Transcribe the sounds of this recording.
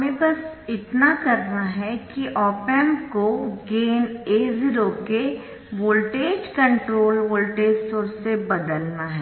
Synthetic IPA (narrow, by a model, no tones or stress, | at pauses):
ɦmẽbɐsɪt̪nakɐɾnaɦɛkiʔɔːpɛmkoɡeːneːziɾoke | ʋoːlʈeːd͡ʒkɐ̃ɳʈɾoːlʋoːlʈeːd͡ʒsoːɾsebɐd̪əlnaɦɛ